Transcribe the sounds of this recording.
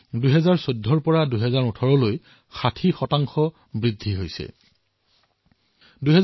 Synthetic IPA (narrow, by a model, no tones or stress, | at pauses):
dujɦɛzaɹsodʱːɔɹpɔɹaduɦɛzaɹutʰɔɹɔloj | xatʰixɔtaŋxɔ | bɹidʱːiɦojsɛ̰ | duɦɛ